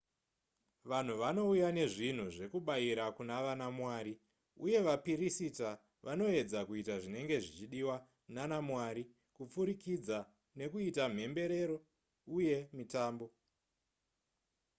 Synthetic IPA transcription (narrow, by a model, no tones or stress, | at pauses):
ʋan̤uʋano̞ujane̞ʐin̤uʐe̞kuɓaiɾakunaʋanamwaːɾi | uje̞ʋapiɾisita | ʋʔano̞e̞d͡zakuitaʐine̞ŋɡe̞ʐit͡ʃiɗiwa | nanamwaːɾi | kup͡fuɾikid͡za | ne̞kuitam̤e̞mbe̞ɾe̞ɾo̞ | uje̞mitaːmbo̞